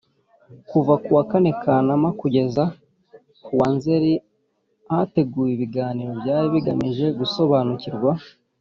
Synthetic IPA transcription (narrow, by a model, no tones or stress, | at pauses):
kuvakuwakane̞kʰanamakuɟe̞za | kuwanze̞ɾi | ate̞ɡuːjiβiɡaːniɾo̞bjaːɾiβiɡamiʒe̞ɡuso̞βaːnuciɾɡwa